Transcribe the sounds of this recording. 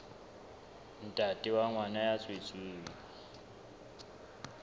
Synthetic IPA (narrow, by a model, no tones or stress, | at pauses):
n̩tʼatʼiwaŋwanajat͡sʼwet͡sʼweːŋi